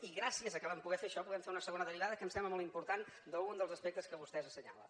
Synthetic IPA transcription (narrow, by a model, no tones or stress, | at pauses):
iɣɾasiəzəkəlampuɣɛfeʃɔpuðɛmfeunəsəɣonəðəriβaðəkəmsɛmbləmɔlˠt̪impuɾt̪and̪əund̪əlˠzəspɛk̚t̪əskəβust̪ɛzəsəɲalə̰